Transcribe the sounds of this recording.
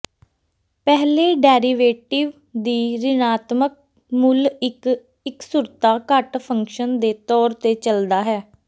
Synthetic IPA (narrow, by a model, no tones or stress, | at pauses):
pɛɦleːɖɛːɾiːʋeːʈɪʋ | d̪iːɾɪnaːt̪mək̚ | mʊl | ɪksʊɾt̪aːkəʈpʰəŋkʃənd̪eːt̪ɔːɾt̪eːt͡ʃəld̪aːɦɛː